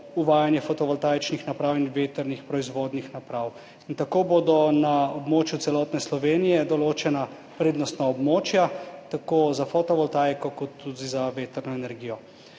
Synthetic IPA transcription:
uʋaːjanjɛfɔt̪ɔʋɔlt̪ajt͡ʃnixnapɾawinʋeːt̪əɾnixpɾɔizʋoːd̪nixnapɾaw | int̪akoːboːd̪ɔnaɔbmoːt͡ʃjutsɛlɔːt̪nɛslɔʋeːnijɛd̪ɔloːt͡ʃɛna | pɾeːd̪nɔst̪naɔbmoːt͡ʃjat̪akoːzafɔt̪ɔʋɔlt̪ajkɔkɔt̪ːud̪izaʋeːt̪əɾnɔɛnɛɾɡiːjɔ

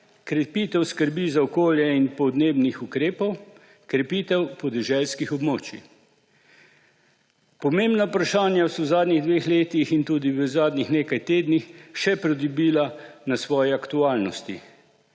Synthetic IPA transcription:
kɾɛpiːt̪ɛwskəɾbizaɔkoːljɛinpɔd̪neːbnixukɾeːpɔw | kɾɛpiːt̪ɛwpɔd̪ɛʒɛlskixɔbmoːt͡ʃḭ | pɔmembnaupɾaʃaːnjawsɔwzaːd̪niɣd̪ʋeːxleːt̪ixint̪uːd̪iʋəzaːd̪nixneːkajt̪eːd̪nixʃɛpɾɔd̪ubiːlanasʋɔːjɛakt̪uaːlnɔst̪ḭ

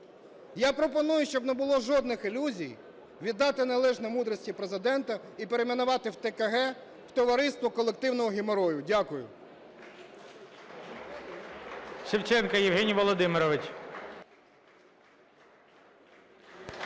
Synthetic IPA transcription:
japɾɔpɔnujʊʃt͡ʃɔbnebʊlˠɔʒɔd̪̚nɪxɪlʲuzʲij | ʋʲid̪ːɑt̪ɪnelˠɛʒnɛmud̪ɾɔsʲtʲipɾezɪd̪ɛnt̪ɐ | ipeɾemʲɛnʊʋɑt̪ɪwt̪ekɐɦɛ | w̥t̪ɔʋɐɾɪst̪ʋɔkɔlˠek̚t̪ɪwnɔɦɔɦʲɪmeɾɔjʊdʲakʊjʊ̰ | ʃɪwt͡ʃɛnkɐjɪwɦɛnʲijʋɔlˠɔd̪ɪmɪɾɔʋɪt͡ʃʲ

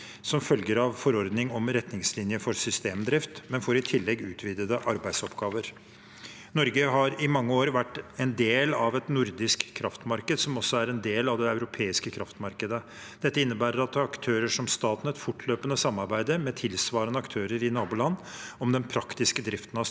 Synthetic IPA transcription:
sɔmfœlɡəɾɑʋfɔɾɔɾd̪nɪŋɔmɾɛt̪nɪŋslɪnjəfɔɾsʏst̪eːmd̪ɾɪft̪mɛnfoːɾɪt̪ʰɪlːɛɡʉːt̪ʰʋiːd̪əd̪əʔɑɾbæɪd̪sɔpɡɑːʋəɾ | nɔɾɡəɦɑɾɪmɑŋːəoːɾʋæʈːɛnd̪eːlɑʋɛt̪nʊɾd̪ɪskʰːɾʔɑft̪mɑɾkəd̪sɔmɔsːɔæɾɛnd̪eːlɑʋd̪ɛɑʉɾʊpʰeːɪskəkʰɾɑft̪mɑɾkəd̪ə | d̪̥ɛt̪ːəɪnːəbæːɾəɾɑt̪ːɾɑkt̪ʰøːɾəʂɔmst̪ɑːt̪nɛt̪fʊʈːløːpənəsɑmːɑɾbæɪd̪əɾmɛːt̪ʰɪlsʋɑːɾənəɑkt̪ʰøːɾəɾɪnɑːbʊlɑnːɔmd̪ɛnpʰɾɑkt̪ɪskəd̪ɾɪft̪ən̩ɑ

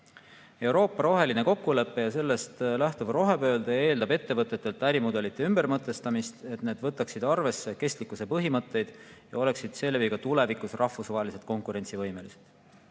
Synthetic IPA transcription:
e̞wɾo̞ːpːɑɾo̞ɦe̞line̞ko̞kːule̞pːe̞jɑse̞lːe̞st̪læht̪ovro̞ɦe̞bø̞ːld̪ɑe̞ːld̪ɑbe̞t̪ːe̞vɤt̪ːˑe̞t̪ːˑe̞lt̪ːˑæɾimud̪e̞lit̪ːˑeymb̥ermɤt̪ːˑe̞st̪ɑmist̪e̞t̪ne̞ːd̪vɤt̪ːˑɑksid̪ɑrve̞sːe̞ke̞st̪likːˑuse̞pɤɦimɤt̪ˑːe̞jd̪̥jɑ̰o̞le̞ksid̪̥se̞lːeviɡɑt̪ule̞vikusrɑhfusvɑɦelise̞t̪̚ˑko̞ŋkuɾe̞nʲt̪sivɤ̞jme̞liset̪

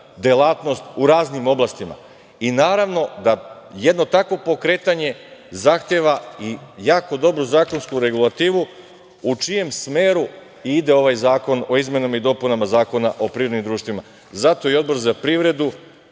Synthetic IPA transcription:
d̪elˠat̪no̞st̪uɾaːznimo̞blast̪ima̰ | inaːɾaʋno̞d̪ajed̪no̞t̪akʋo̞po̞kɾe̞ːt̪aɲe̞zaxt̪jeːʋaijaːko̞d̪o̞bɾozaːko̞nskuɾe̞ɡulˠat̪iːʋu | ut͡ʃije̞msmeːɾu | id̪e̞o̞ʋajzaːko̞no̞izme̞namaid̪o̞ːpunamazaːko̞naʔo̞pɾivɾod̪nimd̪ɾuːʃt̪ʋima | zat̪o̞iod̪bo̞ɾzapɾiʋɾe̞d̪u

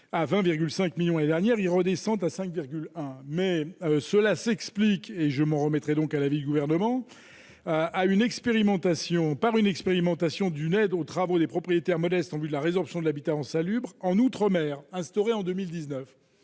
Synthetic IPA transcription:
avɛ̃viʁɡʲylsɛ̃kmiljɔ̃ned̪ɛʁnjɛʁilʁəd̪esɑ̃t̪asɛ̃kviʁɡʲylɛ̃mɛøsəlasɛksplikeʒəmɑ̃ʁəmɛt̪χɛd̪ɔ̃kalavid̪yɡuvɛʁnəmɑ̃ | aynɛkspeʁimɑ̃t̪asjɔ̃paʁynɛkspeʁimɑ̃t̪asjɔ̃d̪ynɛd̪ot̪χavod̪epχɔpχijet̪ɛʁmɔd̪ɛst̪ɑ̃vyd̪əlaʁezɔʁpsjɔ̃d̪əlabit̪aɑ̃salybʁɑ̃nut̪χəmɛːʁɛ̃st̪ɔʁeɑ̃d̪ømild̪iznœf

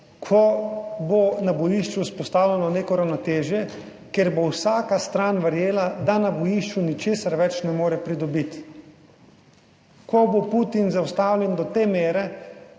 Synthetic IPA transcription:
kʰɔbonabɔjiʃt͡ʃuspɔst̪aːwlʲɛnɔneːkɔɾawnɔt̪eːʒjɛ | keɾbowsaːkast̪ɾaːnʋəɾjeːlad̪anabɔjiʃt͡ʃunit͡ʃeːsaɾʋɛt͡ʃnɛmoːɾɛpɾid̪ɔbit̪ | kʰɔboput̪inzawst̪aːwlʲɛnd̪ɔt̪eːmeːɾɛ

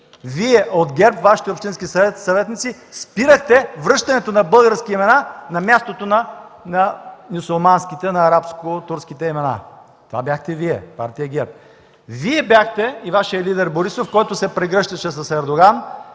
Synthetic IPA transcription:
viɛʔod̪ɡʲɛɾpvaʃi̥t̪ɛopʃt̪inskisɛt̪sɐvɛt̪nit̪si | spiɾəxt̪ɛvɾɤʃt̪ɐnɛt̪onɐbɤlˠɡəɾskiimɛnanɐmʲjast̪ot̪onɐnɐnʲusulˠmanskit̪ɛnɐːɾapskot̪uɾsk̟it̪ɛimɛna̰ | t̪ova̰bjaxt̪ɛviɛ̰pa̰ɾt̪ijəɡʲɛɾp̚ | viɛbʲjaxt̪ɛivaʃijɐlid̪ɛɾboɾisofkɔjt̪ʊsɛpɾɛɡɾɤʃt̪ɐʃɛs̬ɐsɛɾd̪oɡan

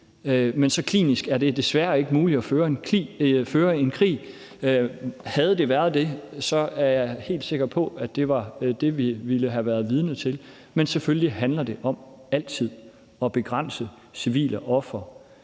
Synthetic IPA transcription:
mensɒ̽kʰlḭːnisɡ̥æɐd̥e̝d̥e̝sʋæːɐe̝ɡ̥əmuːli̥ɒføːɐenʰiføːɐe̝nkʰʁḭː | hæð̞̩ˠd̥e̝ʋæːɐð̞ˠd̥e̝sɒ̽æɐjɑ̈ɪhe̝̰ːld̥se̝ɡ̥ɐpʰɒ̽æd̥e̝ʋɑ̈d̥e̝ʋiʋiləɦæʋæɐð̞ˠʋið̞ˠnət͡sʰe̝l | mensefølliɦænlɐd̥e̝ʔɒ̽m | æl̰t͡sʰið̰ˠ | ɒ̽b̥e̝ɡ̥ʁɑn̰sə | siʋḭːlʔəʔɒ̽fʁɐ

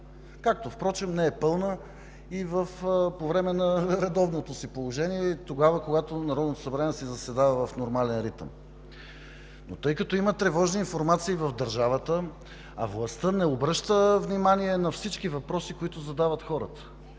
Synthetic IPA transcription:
kak̚t̪ofpɾɔt͡ʃɛmnɛɛpɤlˠnə | ivəfpovɾɛmɛnɐɾɛd̪ɔvnot̪osipolˠoʒɛniɛit̪oɡavəkoɡat̪onɐɾɔd̪not̪o̥sɐbɾanɛsɛzɐsɛd̪avəvɐfnoɾmalɛnɾit̪ə̰m | not̪ɤjkɐt̪ɔimət̪ɾɛvɔʒniːnfoɾmat̪siːvɐvd̪ɐɾʒavət̪ə | ɐ̰vlˠɐst̪ənɛobɾɤʃt̪əvnimaniɛnɐfsit͡ʃkivɐpɾɔsikoit̪ʊzɐd̪avət̪xɔɾə̰t̪ə̥

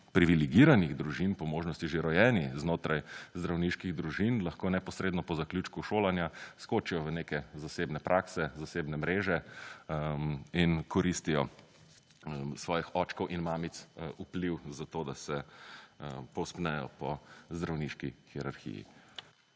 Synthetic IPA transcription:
pɾiʋiliɡiɾaniɣd̪ɾuʒinpɔmoːʒnɔst̪iʒeɾɔjɛːniznoːt̪ɾajzd̪ɾawniʃkiɣd̪ɾuʒinlaxkoːnɛpɔsɾeːd̪nɔpɔzakljuːt͡ʃkuʃoːlanjaskot͡ʃijɔʋəneːkɛzaseːbnɛpɾʔaːksɛzaseːbnɛmɾeːʒɛ | inkɔɾist̪ijɔ | sʋɔːjixɔt͡ʃkɔwʔinmaːmit̪supliwzat̪oːd̪asɛ | pɔwspnɛjɔ̰pɔzd̪ɾawniʃkixiɾaɾxḭjḭ

